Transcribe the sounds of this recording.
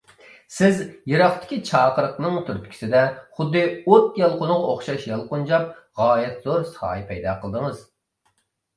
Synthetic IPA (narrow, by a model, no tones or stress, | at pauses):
sɪzjeɾɑχt̪ʰɪ̥kʲʰit͡ʃʰɑːqəɾəqnɨŋt̪ʰyɾp̪kʲʰi̥sɪd̪ɛχʊd̪ːɨot̪jɑlˠqʊnʊʁɑoχʃɑʃjɑlˠqund͡ʒɑp̚ʁɑːjɛt̪z̥oɾsə̥χɑ̰ːjɪpʰɛjd̪ɑːqʰəlˠd̪əŋɨz